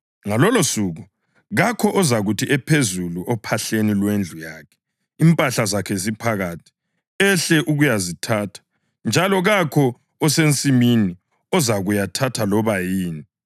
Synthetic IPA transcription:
ŋalɔlosuɣu | ɣakʰɔʔɔzaɣutʰiʔɛpʰezuluʔɔpʰaɬenilwend͡ɮʱujaːkʰɛ̥ | impʼaɬazakʰɛzipʰaɣatʰi̥ | ɛɬɛʔuɣujazitʰaːtʰḁ | nd͡ʒʱalɔɣakʰɔ | ɔsent͡sʼimini | ɔzaɣujatʰatʰalɔβajiːni

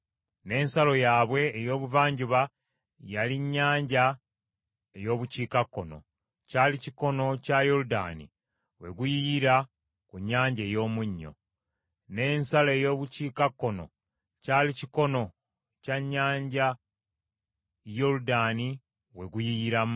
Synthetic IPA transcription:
ne̞ːnsalo̞jaːβwe̞ːjo̞ːβuvaːɲɟuβa | jaliɲːaːɲɟa | ejo̞ːβuciːkakːo̞no̞̰ | caːliciko̞no̞cajoluda̰nḭ | we̞ɡujijiɾa | kuɲːaːɲɟe̞ːjo̞ːmuɲːo̞̰ | ne̞ːnsale̞jo̞ːβuciːkakːo̞no̞̰ | caːliciko̞no̞ | caɲːaːɲɟa | jo̞ludaːni | we̞ɡujijiɾa

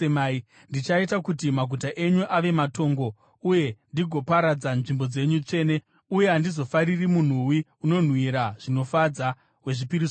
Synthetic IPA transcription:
emai | ndit͡ʃaitakutimaɡʱutaʔe̞ɲuʔaʋe̞mato̞ːŋɡo̞ | uje̞ndiɡʱo̞paɾad͡zanʐimbo̞d͡ze̞ɲut͡ʂe̞ːne̞ | uje̞ɦandizo̞faɾirimun̤uwiuno̞n̤wiɾaʐ̥ino̞fad͡za | we̞ʐipiɾis

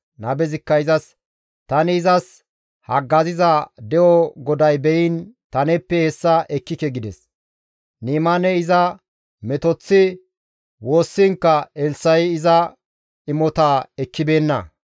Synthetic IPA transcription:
nɐbɛzɪkːɐɪzɐs | t̪ɐnɪːzɐs | hɐɡːɐzɪzɐd̪ɛʔɔɡɔd̪ɐjbɛjɪnt̪ɐnɛpːɛhɛsːɐʔɛkːɪkɛɡɪd̪ɛs | niːmɐnɛɪzɐ | mɛt̪ɔt͡sːɪ | wo̞ːsːɪŋkːɐɛlsɐjɪzɐ | ɪmɔt̪aːɛkːɪbe̞ːnːɐ̰

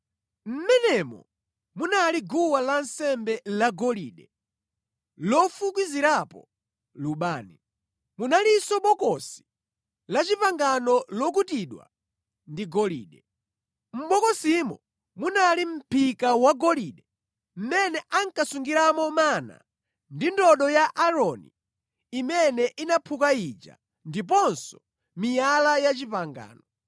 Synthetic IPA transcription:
m̩mɛnɛmɔ̰ | munaliɡuwalansɛmbɛlaɡɔliːɗɛ | lɔfuk̬wiziɾapɔ̰ | luɓaːni | munalisɔɓɔkɔsi̥ | lat͡ʃipaŋɡanɔlɔk̬utiɗwa̰ | ndiɡɔlḭːɗɛ | m̩ɓɔkɔsimɔ̰ | munalim̩pʰikawaɡɔliːɗɛ | m̩mɛnɛʔaŋkasuŋɡiɾamɔmana̰ | ndindɔɗɔjaʔaɾɔnḭ | imɛnɛʔinapʰukaid͡ʒa̰ | ndip̬ɔnsɔ̥ | mijalajat͡ʃipaŋɡa̰ːnɔ

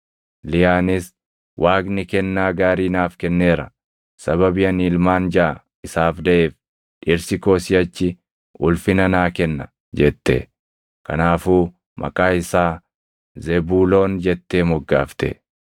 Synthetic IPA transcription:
lɪjaːnɪs | wʔaːɡnɪkɛnːaːɡaːɾiːnaːfkɛnːeːɾɐ | sɐβɐbɪjɐniːlmaːnd͡ʒaaː | ɪsaːfd̪ɐʔeːf | ʔɪɾsɪko̞ːsɪjɐt͡ʃːɪ | ʊlfɪnɐnaːkɛnːɐ | d͡ʒɛt̪ːḛ | kɐnaːfuː | mʔɐ̰kʼaːɪsaː | zɛbuːlo̞ːnd͡ʒɛt̪ːeːmɔɡːa̰ːft̪ɛ̰

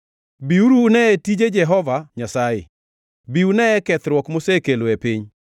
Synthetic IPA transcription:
biuɾunɛetid͡ʒed͡ʒɛɦɔvaɲasajɪ̰ | biunɛɛkɛt̪ɾwɔkmosekeloepiɲ

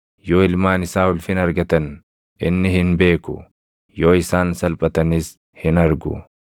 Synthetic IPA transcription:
jo̞ːɪlmaːnɪsaːʊlfɪnɐɾɡɐt̪ɐn | ʔɪ̰nːɪhɪnbe̞ːkʊ̰ | jo̞ːɪsaːnsɐlpʼɐt̪ɐnis | hɪnɐɾɡʊ̰

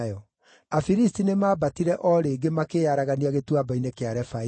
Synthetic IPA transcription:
jɔ | afiɾistinemaːbatiɾɛʔɔɾeːɡemakejaɾaɣaniaɣetuabainekeaɾɛfa

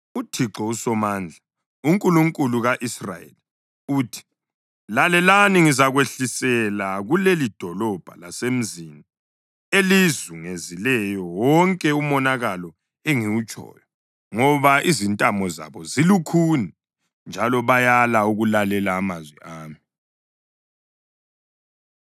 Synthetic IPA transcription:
utʰiǁɔusɔmaːnd͡ɮʱa | uŋkʼuluŋkʼuluɣaʔisra̰jḛli | uːtʰi̥ | lalɛlaniŋizaɣweɬisɛlaɣulelid̥ʱɔlɔb̥ʱa̰lasem̩zini | elizuŋezilɛjɔwɔŋkʼɛumɔnaɣalɔ | ɛŋiwut͡ʃʼɔ̰ːjɔ | ŋɔβaʔizintʼamɔza̰βɔzilukʰuni | nd͡ʒʱalɔβajalauɣulalɛlaːmazwḭʔaːmi

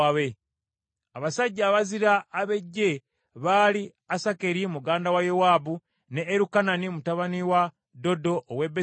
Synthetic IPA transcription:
aβe | aβasaɟːaːβaziɾaːβe̞ɟːe̞ | βaːli | asake̞ɾimuɡaːndawajewaːbu | ne̞ːɾukananimutaβaniwa | do̞do̞ʔːwe̞be

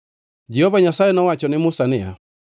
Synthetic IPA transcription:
d͡ʒɛhɔvaɲasaɛnawat͡ʃɔnɪmusanɪa̰

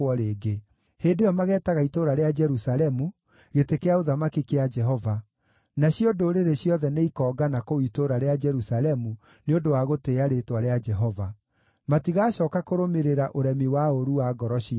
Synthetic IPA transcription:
ɔɾeːɡe | heːndejɔmaɣɛːtaɣaitoɾaɾead͡ʒɛɾusaɾɛmu | ɣetekeaoðamakikead͡ʒɛɦɔva | naɕiodoɾeɾeɕjɔðɛneikɔːɡanakoitoɾaɾead͡ʒɛɾusalɛmu | neondowaɣoteːaɾetwaɾead͡ʒɛɦɔva | matiɣaɕɔːkakoɾomeɾeɾaʔoɾɛmiwaoɾuwaːɡɔɾɔɕi

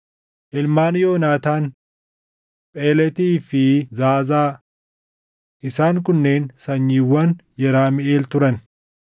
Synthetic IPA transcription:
ʔɪlmaːnjoːnaːt̪aːn | pʼeːlɛt̪iːfɪzaːzaː | ʔɪsaːŋkʊnːe̞ːnsɐɲːiːwːɐnjɛɾaːmɪʔeːlt̪ʊɾɐn

